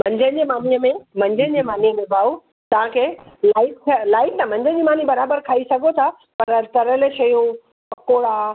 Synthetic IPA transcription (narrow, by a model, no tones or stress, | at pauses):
m̤ɐ̃ɲd͡ʑə̃d͡ʑemaːniəmẽmɐ̃ɲd͡ʑə̃d͡ʑemaːniəmẽbʱaːu | t̪ɐʋãkʰeːlaːɪʈ̚kʰlaːɪʈ̚t̪ʰãmɐ̃ɲd͡ʑʱə̃d͡ʑimaːnibɐɾaːbəɾkʰaːisɐɡʱot̪ʰa | pɐɾt̪ɐɾəlĕʃɐjũ | ɐkoːɽaː